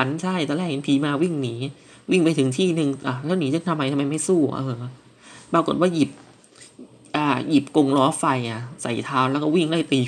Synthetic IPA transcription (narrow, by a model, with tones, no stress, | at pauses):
a˦˥nt͡ɕʰa˥˩jt̪ɔ˧lɛː˥˩k̚ʔi˧npʰiː˧˦maː˧wi˥˩ŋniː˩˦ | wi˥˩ŋpa˧jt̪ʰɯ˨˩˦ŋt̪ʰiː˥˩nɯ˧ŋʔa˨˧˩lɛː˦˥˩wniː˩˦t͡ɕa˧˥˩t̪ʰa˧mːa˧jt̪ʰa˧mːa˧jma˥˩jsuː˥˩ʔɤː˧˩ | paː˧ko˨˩t̪̚waː˥˩ji˨˩p̚ | ʔaː˨˩ji˨˩p̚ko˧ŋɾɔː˦˥fa˧jʔa˨˩sa̰˨˩jt̪ʰaː˦˥wlɛ˦˥kɔː˥˩wi˥˩ŋda˥˩jt̪iː˧